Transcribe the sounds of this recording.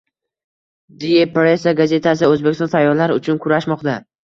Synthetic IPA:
d̪ijepɾesaɡaze̞t̪ʰasɪɵzbekʲɪst̪ɔnt̪ʰajːɒɾlaɾʊt͡ʃʰʊnkʰʊɾaʃmɒqt̪a

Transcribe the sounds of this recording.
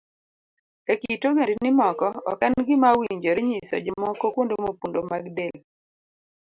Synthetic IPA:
kakitoɡendnɪmɔkɔɔ̰kanɡɪmawiɲd͡ʒoɾeɲisɔ̰d͡ʒɔmɔkɔkwondomopundomaɡdel

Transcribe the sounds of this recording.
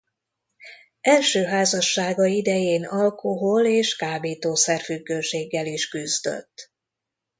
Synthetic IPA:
ɛlʃøːɦaːzɒʃːaːɡɒid̪ɛjeːnɒlkʰoɦoleːʃkaːbeːt̪oːsɛrfyɡːøːʃeːɡːɛliʃkyzd̪ø̰t̪ː

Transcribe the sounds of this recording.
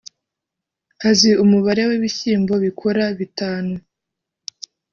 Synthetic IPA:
haziumuβaɾe̞weβiçiːmbo̞βikʰoɾaβitaːnu

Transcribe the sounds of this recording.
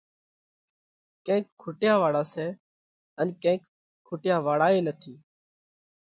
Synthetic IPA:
kẽːkʰːʊʈjãːʋaːɽaːsɛː | ənkẽːkʰː | ʊʈjãːʋaːɽaːeːnət̪ʰiː

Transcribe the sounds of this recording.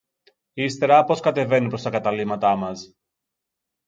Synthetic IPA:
ist̪e̞ɾɐpo̞skɐt̪e̞ve̞nipɾost̪ɐkɐt̪ɐlimɐt̪ɐmɐs

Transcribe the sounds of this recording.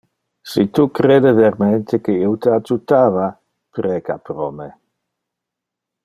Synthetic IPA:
sit̪ukɾeːd̪eveɾment̪ekeiwt̪əad͡ʒut̪aːva | pɾɛːka̰pɾɔme

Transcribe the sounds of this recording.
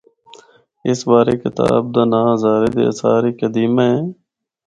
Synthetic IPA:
ɪsbaːɾeːkɪt̪a̰ːb̚d̪aːnaːzaːɾeːd̪ḛəsaːɾiːkəd̪iːmaɦeː

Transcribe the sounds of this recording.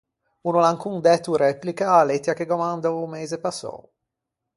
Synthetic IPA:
unolaŋkuŋd̪ɛt̪uɾɛplikaalet̪ːjakeɡomand̪aumeːzepasːɔ̰

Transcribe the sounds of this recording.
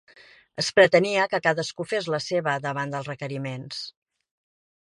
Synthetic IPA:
əspɾət̪əniəkəkaðəskufezləseβəðəβ̞and̪əlˠrəkəɾimens

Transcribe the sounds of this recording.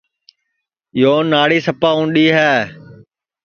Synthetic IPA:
joːnːaːɽiːsəpaːũːɳɗiːɦɛː

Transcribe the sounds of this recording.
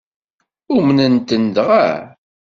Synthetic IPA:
ʊmnənt̪ənd̪ʁa̰

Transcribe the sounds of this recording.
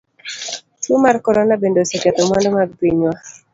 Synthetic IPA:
t͡ʃumarkɔɾɔnabendosɛkat̪ɔmandomaɡ̚piɲwa

